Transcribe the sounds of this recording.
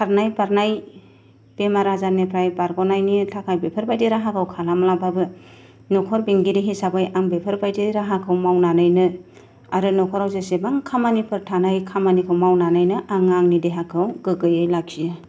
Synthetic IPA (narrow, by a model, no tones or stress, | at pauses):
kʰaɾnajbaɾnaj | bemaɾazanepʰɾajbaɾɡɔnajnitʰakʰajbepʰɯɾbajdeɾaɦakʰɯwkʰalamlababɯ | nɔkʰɔɾbiŋɡiɾiɦisabajaŋbepʰɯɾbajdeɾaɦakʰɯwmawnanɯjnɯ | aɾɯnɔkʰɔɾawzesebaŋkʰamanipʰɯɾtʰanajkʰamanikʰɯwmawnanɯjnɯʔaŋaŋnideɦakʰɯwɡɯɡɯjɯjlak̚siɯ